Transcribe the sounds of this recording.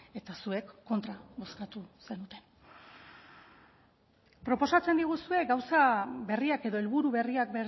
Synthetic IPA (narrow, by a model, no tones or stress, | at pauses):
e̞t̪asue̞kːo̞nt̪ɾaβo̞skat̪use̞nut̪e̞n | pɾo̞po̞sat͡se̞nd̪iɣ̞usue̞ɡawsabe̞riake̞ðo̞elβuɾuβe̞riakbe